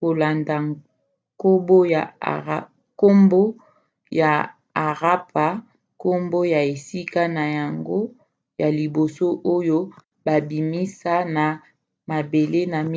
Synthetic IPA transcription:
ko˨la˨nda˨ | ko˦bo˦ja̰˨˦ | ko˦mbo˦ | jaː˨ | ʁa˦pa˨ | ko˦mbo˦ja˨e˨si˦ka˦na˨ja˨ŋɡo˦ | ja˨li˨bo˨so˦ʔo˦jo˦ | ba˨bi˨mi˦sa˦na˨ | ma˨be˨le˦na˨m

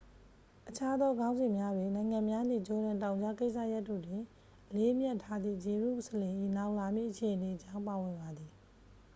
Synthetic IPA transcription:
ʔət͡ɕʰa˦d̪ɔ˦ɡã˦ʊ̃nzɪ̃˨mja˦dwe˨nã˨ɪ̃ŋã˨mja˦n̥ḭ˦˨t͡ɕo˨ɾã˨ntã˨ʊ̃ɲd͡ʑa˦ke˦ɪʔsʰä̰˦˨ja˦tːo̰˦˨dwɪ̃˨ | ʔəle˦ʔmjɛ˦ʔtʰːa˦d̪ðḭ˦˨d͡ʑe˨ɹṵ˦˨u˨sə˨lɪ̃˨ʔḭ˦˨na˦ʊʔla˨mḭ˦˨ʔət͡ɕʰe˨ʔəne˨ət͡ɕã˦ʊ̃mpa˨wɪ̃˨mba˨d̪i˨

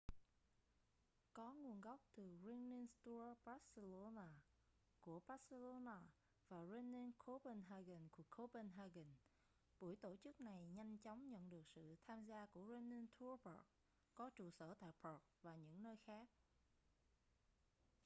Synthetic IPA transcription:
kɔ˨˦ŋu˨˩ənɣa˦˥wk͡p̚t̪ɨ˨˩ɹi˧nni˧nst̪u˧baː˦˥t̚sə˧lo˧naː˧ | ku˧˩əɓaː˦t̚sə˧lo˧naː˧ | vaː˨˩zɛ˧nːi˧nkʰo˦pə˧nɦaː˧ɣə˨˩nku˧˩kʰo˧˦pə˧nɦaː˧ɣə˨˩n | ɓu˧˩əjt̪o˧˩t͡ɕɨ˦˥k̚na˨˩jɲa˧jŋ̟t͡ɕɔ˨˦wŋ͡mɲə̰˧˨nɗɨ˨˩ək̚sɨ̰˧˨t̪ʰaː˧mzaː˧ku˧˩əzɛ˧nːi˧nt̪ʰu˧˦bə˨˩k̚ | kɔ˨˦t͡ɕu˨˩səː˧˩t̪a̰ː˧˨jpʰə˨˩k̚vaː˨˩ɲɨ̰˧˥ŋnəː˧jxaː˦˥k̚

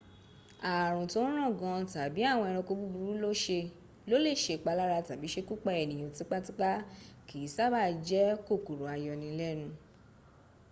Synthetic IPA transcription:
a˨ɾ̃ũ˨tõ˦ɾ̃ã˦˨ɡã˧ta˨bi˨˦a˦˨w̃ɔ̃˧ɛ˧ɾ̃ɔ̃˧ko˧bu˦bu˧ɾu˦lo˦ʃe˧ | lo˦le˦˨ʃe˧˨k͡pa˧la˦ɾa˧ta˨bi˨˦ʃe˧ku˦k͡pa˧˦ɛ˨nĩ˨j̃õ˨ti˨˦k͡pa˦ti˦k͡pa˦ki˨˦sa˦˨ba˦˨d͡ʒɛ˨˦ko˦˨ku˨ɾo˨a˨jɔ˧nĩ˧lɛ˦nũ˧

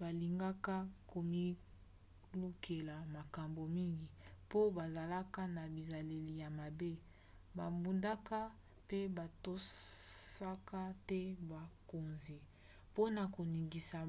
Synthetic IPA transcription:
ba˨li˨ŋɡa˦ka˦ko˨mi˦ | lu˦kʰe˨la˨ma˨ka˨mbo˨mi˦ŋɡi˨po˦ba˨za˨la˦ka˦na˨bi˨za˨le˨li˨ja˨ma˨be˦ | ba˨bu˨nda˦ka˦ | pe˦ba˨to˦ssa˦ka˦tɛ˦ba˨ko˨nzi˨ | po˦na˨ko˨ni˨ŋɡi˨sa˨

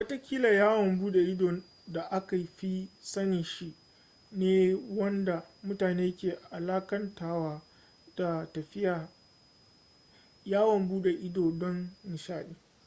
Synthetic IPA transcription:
wɐ˦ta˦kʲiː˦la˨jaː˦wɔ˨mbuː˦ɗe˨ʔɪ˦doː˨ | da˨ʔa˦ka˨jɸi˦sɐ˦nɪ˨ʃi˦ʔ | neː˦wɐ˦nda˨mʊ˦taː˨neː˦kʲeː˨ʔa˨laː˦kɐ˦ntaː˦˨waː˦ | d̥a˨tɐ˨ɸɪ˦jaː˨ | jaː˦wɔ˨mbuː˦ɗe˨ʔɪ˦doː˨dɔ˦ŋmɪ˨ʃaː˦˨ʔeː˦

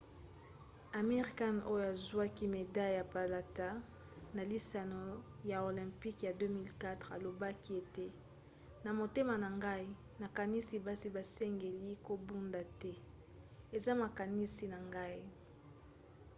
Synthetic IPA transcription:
a˨me˦ʁi˨ka˦no˦jo˦˨a˨zwa˦ki˦me˨da˦lja˨pa˨la˨ta˦ | na˨li˦sa˨no˦ | ja˨o˨lɛ̃˨mpi˦kja˨dø˦mi˦lka˦tʁa˨lo˨ba˦ki˦e˨te˦ | na˨mo˨te˦ma˨na˨ŋɡa˦i˦ | na˨ka˨ni˦si˨ba˦si˨ba˨sɛ˦ŋɡe˨li˦ko˨bu˦nda˨tɛ˦ | e˨za˦ma˨ka˨ni˦si˨na˨ŋɡa˦i˦

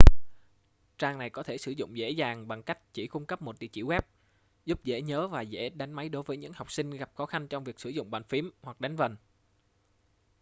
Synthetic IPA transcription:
t͡ɕaː˧ŋna˨˩jkɔ˨˦t̪ʰe˧˩sɨ˧˩zʊ̰˧˨ŋ͡mzḛ˧˥zaː˨˩ŋɓa˨˩ŋka˦˥jk̟̚t͡ɕi˧˩kʊ˧ŋ͡mkə˦˥p̚mo˨˩t̚ɗḭ˧˨t͡ɕḭ˧˩˨ɣwɛ˦˥p̚ | zʊ˦˥p̚zḛ˧˥ɲəː˨˦vaː˨˩zḛ˧˥ɗa˨˦jŋ̟ma˨˦jɗo˨˦jvəː˨˦ɲɨ̰˧˥ŋha˨˩wk͡p̚sï˧ŋ̟ɣa˨˩p̚xɔ˨˦xa˧ŋt͡ɕɔ˧wŋ͡mvi˨˩ək̚sɨ˧˩zʊ̰˧˨ŋ͡mɓaː˨˩nfi˨˦əmhwa˨˩k̚ɗa˨˦ŋ̟və˨˩n

